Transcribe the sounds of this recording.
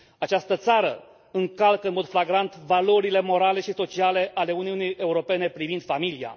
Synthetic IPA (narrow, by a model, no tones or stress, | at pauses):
at͡ʃast̪ət̪saɾə | ɨŋkalkəɨnmo̞d̪flaɡɾant̪valo̞ɾile̞mo̞ɾale̞ʃiso̞t͡ʃiale̞ʔale̞uniunijʔe̞uɾo̞pe̞ne̞pɾivind̪̥familia̰